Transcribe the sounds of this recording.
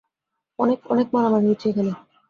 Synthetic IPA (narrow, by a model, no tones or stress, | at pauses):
ɔnekɔ̰nek̚maɾamaɡɦuɾt͡ɕʰiekʰane